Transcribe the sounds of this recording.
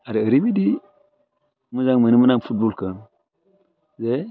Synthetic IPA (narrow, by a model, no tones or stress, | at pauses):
aɾiəɾibidi | məzaŋmənimənaŋfut̚bolkən | ze